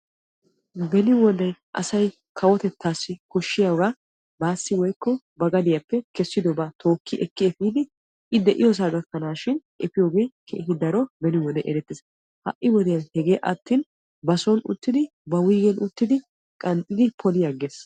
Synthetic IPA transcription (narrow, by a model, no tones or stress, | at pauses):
bɛnɪwɔnɛjʔɐ̰sɐj | kʰɐwɔt̪ɛt̪ːaːsːɪkɔʃːɪjɐwɾɐ | baːsːɪwɔjkːɔ | bɐɡɐd̪ɪjɐpːɛkɛsːɪd̪ɔbɐt̪o̞ːkːɪʔɛkːɪɛfiːd̪ɪ | ʔɪd̪ɛʔɪjɔs̬aːɡɐkːɐnaːʃɪnʔɛfɪjo̞ːɡejkʰḛːhɪd̪ɐɾɔbɛnɪwɔdɛjʔɛɾɛt̪ːɪsɐ | hɐ̰ʔːɪwɔd̪ɛjɐnhɛɡe̞ːʔɐ̰t̪ːiːn | bɐsɔnʊ̰t̪ːɪd̪ɪ | bɐwiːɡɛnʔʊt̪ːɪd̪ɪ | kʼɐnt̪ʼːɪd̪ɪpʰɔlɪjɐɡeːs